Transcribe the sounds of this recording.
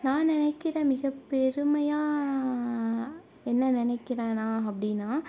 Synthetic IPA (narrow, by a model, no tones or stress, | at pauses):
nãːnɪnɐɪkːɪɾẽmɪɣɐpːɛɾɯmɐjaː | ɛnːɐnɪnɐɪkːɪɾẽːnaːɐpːɐɽɪnːaː